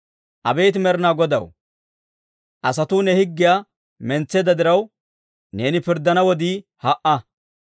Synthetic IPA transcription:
ʔɐbeːt̪̬ɪmɛɾɪnaːɡɔd̪ɐ̰w | ʔɐsɐt̪uːnɛhɪɡːɪjaː | mɛnt͡sːɛːd̪ɐd̪ɪɾɐw | ne̞ːnɪpɪɾd̪ːɐnɐwɔd̪iːhɐʔɐ

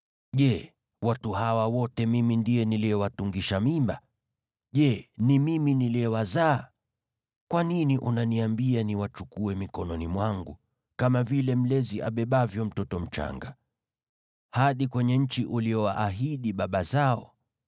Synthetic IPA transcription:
ʄɛ | watuɦawawɔtɛmimindiɛniliɛwatuŋɡiʃamimba | ʄɛnimiminiliɛwazaː | kwaniniʔunaniambianiwat͡ʃukuɛmikɔnɔnimwaŋɡu | kamavilɛm̩lɛziʔa̰ɓɛɓavjɔm̩tɔtɔm̩t͡ʃa̰ŋɡa | haɗikwɛɲɛɲ̩t͡ʃiʔuliɔwa̰ʔaɦiɗiɓaɓazaɔ̰

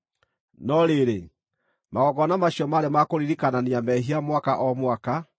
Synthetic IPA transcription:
nɔɾeɾe | maɣɔɣɔnamaɕiɔmaɾemakoɾiɾikananiamɛɦiamwakaʔɔmwaka

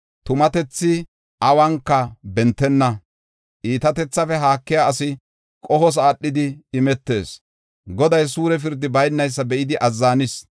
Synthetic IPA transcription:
t̪ʊmɐt̪ɛt͡sːɪ | ʔɐwɐŋkːɐbɛnt̪ːɛnːɐ | ʔiːt̪ɐt̪ɛt͡sːɐfɛɦaːkːɪjaɐsɪ | kʼɔhɔs̬aːɗːɪd̪ɪːmɛt̪ːe̞̰ːs | ɡɔd̪ɐjs̬uːɾɛf̬ɪɾd̪ːɪbɐjnːɐjs̬ːɐbɛʔɪd̪ɪʔɐzːaːnɪs

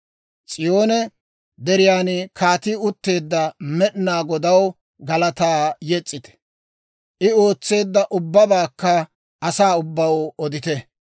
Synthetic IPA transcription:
t͡sʼɪjo̞ːnɛ | d̪ɛɾɪjaːnkʰaːt̪ɪʊt̪ːe̞ːd̪ːɐmɛɗnaːɡɔd̪ɐw | ɡɐlɐt̪aːjɛt͡sʼːɪt̪ɛ̥ | ʔɪo̞ːt͡sːe̞ːd̪ːɐʔʊbːɐbaːkːɐ | ʔɐsaːʊbːɐwɔd̪ɪt̪ɛ

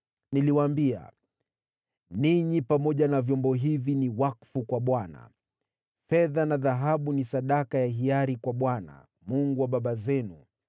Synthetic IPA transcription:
niliwambia̰ | niɲipamɔʄanavjɔmbɔɦiviniwakfukwaɓwana̰ | fɛðanaðaɦaɓunisaɗakajaɦiaɾikwaɓwana̰ | muŋɡuwaɓaɓazɛnu

